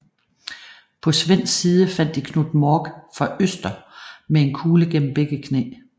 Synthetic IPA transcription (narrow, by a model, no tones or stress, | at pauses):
pʰɒ̽sʋen̰siːð̞ˠəfæn̰d̥ikʰnud̥mɒːɡ̥fʁɑ̈ʔøsd̥ɐmee̝nkʰuːləɡ̥en̰m̩b̥eɡ̥əkʰnḛː